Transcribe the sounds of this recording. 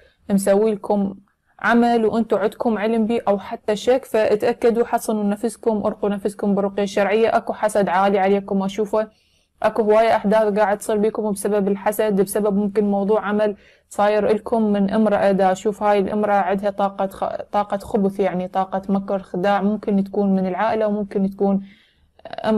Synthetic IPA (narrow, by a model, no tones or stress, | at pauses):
msawːiːlkʊm | ʕamalwʔɪnt̪uʕʊd̪kʊmʕɪlmbiːʔawħat̪ːaʃakfaʔɪt̪ʔakːad̪uħɑsˤɑnunafɪzkʊmʔʊ̰ɾqunafɪzkʊmbɪɾʊqjaʃːɑɾˤʕɪjːaʔakuħasad̪ʕaːliʕaleːkʊmwʔaʃuːfa | ʔakuhɪwaːjːaʔaħd̪aːθɡaːʕɪd̪sˤiːɾbiːkʊmbsababɪlħasad̪bsababmʊmkɪnmɑwðˤuːʕʕamal | sˤɑːjɪɾʔɪlkʊmːɪnʔɪmɾˤɑʔad̪aʔaʃuːfhaːjɪlʔɪ̰mɾˤɑʕɪd̪hat̪ˤɑːqɑ̰t̪ˤɑːqɑxʊbθjaʕnit̪ˤɑːqɑmakːɑɾˤxɪd̪aːʕmʊmkɪnt̪kuːnmɪnɪlʕaːʔɪlawmʊmkɪnt̪ḁkuːn | ʔa̰